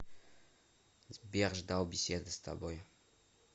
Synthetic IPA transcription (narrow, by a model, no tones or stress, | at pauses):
zbʲerʒd̪awbʲesʲed̪əst̪a̰boj